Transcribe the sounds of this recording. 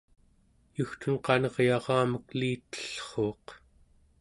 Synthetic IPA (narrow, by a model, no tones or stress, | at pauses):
juxt̪unqɑnʌʁjɑʁɑːməkliːt̪ə̥ɬχo̞ːq